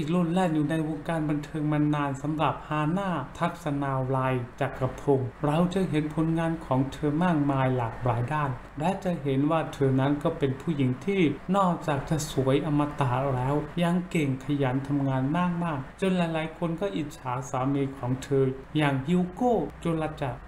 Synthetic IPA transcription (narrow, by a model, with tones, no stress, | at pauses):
lu˧˥˩nlɛː˥˩njuː˨˩na˧jwoː˧ŋkaː˧nba˧nt̪ʰɤː˧ŋma˧nːaː˧nsa˩˦mɾa˨˩p̚haː˧naː˥˩t̪ʰa˦˥k̚sa˧naː˧laː˧jt͡ɕa˨˩kːa˧pʰo˧ŋɾa˧wt͡ɕa˨˩ɦe˩˦npʰo˨˩˦nŋaː˧nkʰɔː˩˦ŋt̪ʰɤː˧maː˥˩k̚maː˧jlaː˨˩k̚ɾaː˩˦jdaː˥˩n | lɛ˦˥t͡ɕa˨˩ɦe˩˦nwaː˥˩t̪ʰɤː˧na˦˥nkɔː˥˩pe˧npʰuː˥˩ji˩˦ŋt̪ʰiː˥˩nɔː˥˩k̚t͡ɕaː˨˩k̚t͡ɕa˨˩su˩˦əjʔa˧mːa˧t̪aː˨˩lɛː˦˥wja˧˩ŋke˨˩ŋkʰa˧jaː˩˦nt̪ʰa˧mŋaː˧nmaː˥˩k̚maː˥˩k̚t͡ɕo˧nlaː˨˦jlaː˨˦jkʰo˧nkɔː˥˩ʔi˨˩t̪̚t͡ɕʰaː˩˦saː˩˦miː˧kʰɔː˩˦ŋt̪ʰɤː˧ | jaː˨˩ŋhi˧koː˥˩t͡ɕo˧nla˧t͡ɕa˨˩k̚